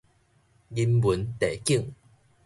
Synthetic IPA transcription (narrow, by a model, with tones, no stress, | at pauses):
ɡi˧mbu˨˦nt̪e˨˩ki˥˩˨ŋ